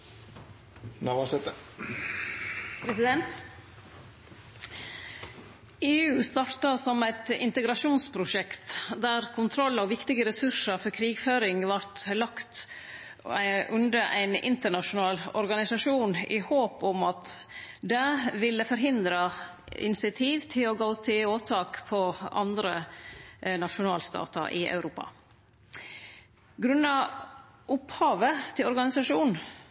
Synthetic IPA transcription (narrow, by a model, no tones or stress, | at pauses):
nɑʋɑsɛt̪ə | pʰɾɛsɪd̪ɛnt̪ | eːʉːst̪ɑːɾt̪ɑsɔmæɪt̪ɪ̰nt̪əɡɾɑʂuːnspʰɾʊʂɛkt̪d̪æːɾkʰʊnt̪ʰɾɔlːɔʋɪkt̪ɪɡəɾɛsʉʂəɾfɔɾkʰɾiːɡføːɾɪŋʋɑɾt̪lɑkt̪ | ʔʉnd̪əʔæ̰ɪnɪ̰nt̪əɳɑʃʊnɑːlɔɾɡɑnɪsɑʂuːnɪ̰hoːpʊmɑt̪ | d̪ɛʋɪlːəfɔɾɦɪnd̪ɾə | ɪ̰nɪsɪt̪ʰiːʋt̪ʰɪlɔɡoːt̪ʰɪloːt̪ʰɑːkpʰɔɑ̰nd̪ɾə | nɑʃʊnɑːlst̪ɑ̰ːt̪ə̰ɾʔɪ̰ʔɑ̰ʉɾuːpɑ̰ | ɡɾʉnːɑ | ʔʊphɑːʋət̪ʰɪlɔɾɡɑnɪsɑʂuːnn̩